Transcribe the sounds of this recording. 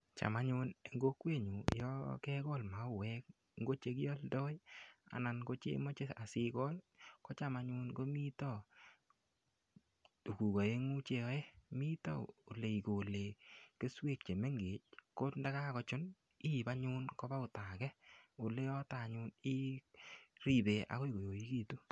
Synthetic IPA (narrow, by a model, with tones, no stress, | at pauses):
t͡ʃa̰˨ma˦ɲʊ˧ne˨ŋɡo˦kwe˦˨ɲu˨jɔ˦kɛ˦kɔ˦lma˨ʊ˦˨wɛ˦k̚ | ŋɡo˦t͡ʃe˦k̬jɔ˦ldɔ˦ja̰˨na˨nko˦t͡ʃḛ˦mo˦t͡ʃe˦a˨si˦kɔ˦n | kɔ˦t͡ʃa˦˨ma˧ɲu˦nko˦mi˦tɔ˦˨ | tu˨ku˨kɔ˨je˦ŋu˦t͡ʃe˨ɔ˦e˦mi˦tɔ̰˦˨o˨le˨i˨ko˨le˨ke˦swe˦˨k̚t͡ʃe˨me˦ŋɡe˨˦t͡ʃ̚ko˦nda˦ka˦kɔ˧t͡ʃʊ˦n | i˦ba˦ɲʊ˦nkɔ˦ba˦ʊ˨ta˨kɛ˦o˨le˦ɔ˦ta˨ɲʊ˧˦ni˦ | ɾi˦˨be˨ʔa̰˨ko˦i˨ɡo˨jo˨i˦ki˨tu˦